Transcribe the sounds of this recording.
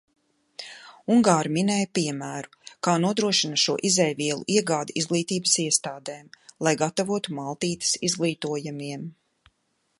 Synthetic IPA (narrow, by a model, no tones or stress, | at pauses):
uŋɡaːɾminɛːjpiɛmæːɾukaːnuɔd̪ɾuɔʃinɐʃuɔʔizɛjviɛlˠṵʔiɛɡaːd̪iizɡlˠiːt̪iːbə̥siɛst̪aːd̪eːmlˠajɡat̪avuɔt̪umalˠt̪iːt̪ɪ̥sizɡlˠiːt̪uɔjamiɛm